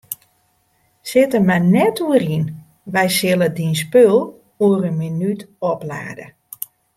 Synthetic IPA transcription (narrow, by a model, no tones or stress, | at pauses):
sɪtəmanɛtuəɾin | ʋɛjsɪlˠədinspølˠ | uərənminytɔpla̰ːdə̰